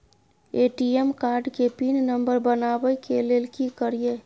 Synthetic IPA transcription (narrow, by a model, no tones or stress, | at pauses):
eʈiemkaɾɖkepinnəmbəɾbənabəjkelelkikəɾije